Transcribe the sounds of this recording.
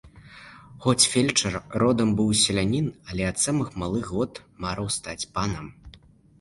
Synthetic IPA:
xɔt͡sʲfʲelʲt͡ʂɐrrɔd̪ɐmbɨwsʲɛlʲanʲinɐlʲɛɐt̪samɨxmalˠɨɣɣɔt̪maɾɐwst̪at͡sʲpanɐm

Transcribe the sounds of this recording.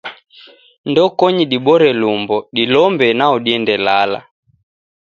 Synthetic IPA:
ndɔkɔɲiɗibɔɾɛlumbɔɗilɔmbɛnaɔɗiɛndɛlala̰

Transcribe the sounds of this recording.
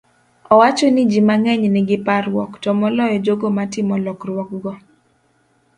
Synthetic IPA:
ɔwat͡ʃonid͡ʒimaŋɛɲnɪɡɪparwɔktɔmɔlɔjɔd͡ʒoɡomatɪmɔlɔkrwɔk̚ɡɔ

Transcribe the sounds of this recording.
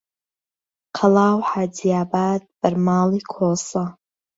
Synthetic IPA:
qʰalaːwħad͡zijaːbaːd̪̚b̥ɨɾmaːlikʰosa

